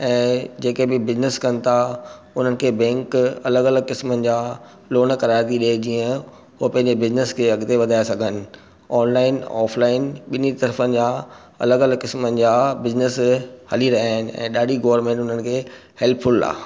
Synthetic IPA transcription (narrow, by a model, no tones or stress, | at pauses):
ɛ̃ːd͡ʑeːkebɪbɪznɪskɐnɪ̆t̪ʰa | ʊn̤ənɪ̆kʰeːbɛ̃ːŋkɐləɡɐləɡkɪsmənɪ̆d͡ʑaː | loːnkɐɾaːɾt̪iɗed͡ʑiːə̃ | ɦopɐ̃ɦɪ̃ɲd͡ʑebɪznɪskʰeɐɠt̪eʋɐd̪ʱaːjesɐɡʱənɪ̆ | ɔːnlaːɪnɔ̰ːflaːɪnɓɪnit̪ɐɾfənɪ̆d͡ʑaː | ɐ̰ləɡɐləɡkɪsmənɪ̆d͡ʑaːbɪznɪshɐliɾɐɦaːɪnɪ̆ɛ̰̃ːɗaːɽiɡoːəɾmẽːɳʈʊn̤ənɪ̆kʰeː | hɛlpʰʊla̰ː